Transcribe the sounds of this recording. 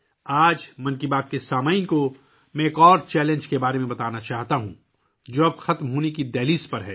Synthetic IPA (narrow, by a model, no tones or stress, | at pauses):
aːd͡ʒmɐnkibaːt̪̚kesaːmaːɪnko | mɛ̃eːkɔːɾt͡ʃɛːlẽnd͡ʒkebaːɾemẽbɐt̪aːnat͡ʃaːɦt̪aɦũ | d͡ʒoːɐbxɐt̪mɦoːnekid̪ɛːliːspɐɾɦɛː